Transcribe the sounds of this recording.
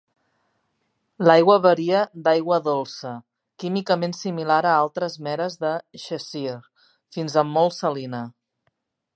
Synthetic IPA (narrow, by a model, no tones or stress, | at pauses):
lajɣwəβəɾiəd̪ajɣwəðolˠsə | kimikəmensimilaɾəalˠt̪ɾəzmɛɾəzðəʃəsiɾ | finzəmːɔlˠsəlinə